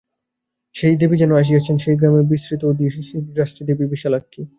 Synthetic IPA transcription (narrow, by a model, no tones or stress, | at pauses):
ʃejd̪ebid͡ʑɛnoaʃ̬ijat͡ɕʰenʃejɡɾamebisɾit̪ood̪iiʃiɾaʃʈid̪ebibiʃalakʰːi